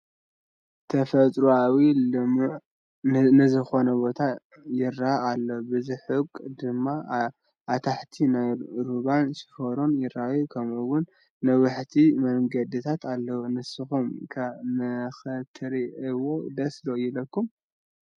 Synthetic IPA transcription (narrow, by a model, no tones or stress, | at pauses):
t̪ʰɐfɐt͡sʼɾuawilɨmuʕ | nɨzɨxo̞nɐbo̞t̪ʰa | jɪɾːaʔalːɐbɨziħɨkʼd̪ɨmːa | ʔat̪ʰaħt̪ʰinajɾuβansɨ̥fɐɾonjɪɾajukʰɐmɨwʊnː | ɐwɨħt̪ʰimɐŋɡɐd̪ɨt̪ʰat̪ʰalːɐwnɨsɨxumkʰɐmɐxɐt̪ʰɨɾiɨwod̪ɐslojɪlɐkːum